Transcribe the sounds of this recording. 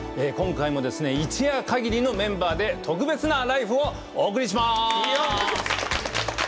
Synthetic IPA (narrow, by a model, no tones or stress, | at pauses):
eːkõ̞ŋkaimo̞d̪e̞sɨne̞it͡ɕiakaɡʲiɾʲino̞mẽ̞mbaːd̪e̞t̪ʰo̞k̬ɯ̟be̞t͡sɨnaɾaiɸɯ̟o̞ | oːk̬ɯ̟ɾʲiɕ̬ima